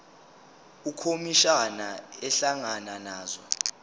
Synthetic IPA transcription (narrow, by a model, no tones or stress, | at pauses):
ukʰomiʃanaɛɬaŋananaːzɔ̰